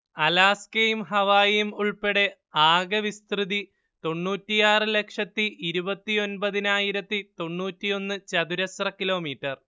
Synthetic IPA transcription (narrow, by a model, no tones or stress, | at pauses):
ɐlaːskejumɦɐʋaːjimuɭpeɽe̞ | aːɡɐʋist̪rɨði | t̪o̞ɳːuːtːijaːrɨle̞kʂɐt̪ːiʔiɾubɐt̪ːio̞nbɐðinaːjiɾɐt̪ːit̪o̞ɳːuːtːijo̞nːɨt͡ɕɐðuɾɐsrɐkilo̞ːmiːʈːɐr